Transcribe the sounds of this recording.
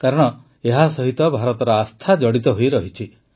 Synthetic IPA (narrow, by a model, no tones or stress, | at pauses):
kaɾɔɽ̃ɔ | eɦasɔɦit̪ɔbʱaɾɔt̪ɔɾɔast̪ʰad͡ʒɔɽit̪ɔɦojɾɔɦit͡ʃʰi